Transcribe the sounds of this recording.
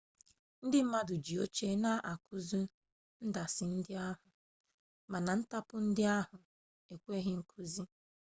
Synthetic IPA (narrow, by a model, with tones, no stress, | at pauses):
n̩˦dɪ˦m̩˦ma˦dʊ˨d͡ʒi˨o˦t͡ʃe˦na˦ʔa˨ku˦zu˦ | n̩˦da˨sɪ˨n̩˦dɪ˦a˦ɦʊ˨ | ma˨na˨n̩˦ta˦pʊ˦n̩˦dɪ˦a˦ɦʊ˨ | e˨kʷe˦ɦɪ˦ŋ̩˨kʰu˦zi˦